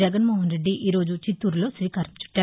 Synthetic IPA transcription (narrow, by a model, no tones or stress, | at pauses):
ɛɡɐnmoːɦɐnɾe̞ɖːiʔiːɾoːd͡ʒut͡ʃit̪ːuːɾulo̞ːsʋiːkaːɾɐmt͡ʃu̥ʈːaː